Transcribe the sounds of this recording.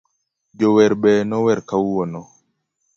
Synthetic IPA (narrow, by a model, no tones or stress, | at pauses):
d͡ʒɔwɛɾbɛnɔwɛɾkawwɔnɔ